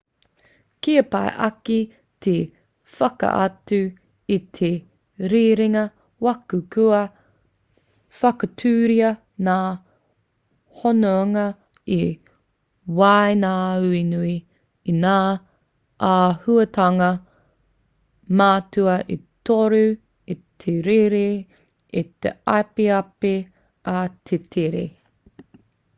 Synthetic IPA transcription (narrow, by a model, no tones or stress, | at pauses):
kiɐpa̰jʔɐki | t̪ʰe | fɐkɐ̰ʔa̰tʉ | it̪ʰe | ɾiɾiŋɐ | wɐkʉkʉɐ | fɐkɐtʰʉːɾiɐ | naː | honoaŋɐ | i | wajnaːʉinuiː | naː | ʔahuɐtʰɐŋɐ | maːtuɐʔitoɾu | it̪ʰeɾeɾe | it̪ḛa̰peɐpe | at̪ʰetʰeɾḛ